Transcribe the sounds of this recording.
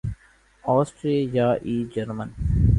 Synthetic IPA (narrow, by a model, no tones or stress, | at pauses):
ɔːsʈɾeːljaʔiːd͡ʒəɾmən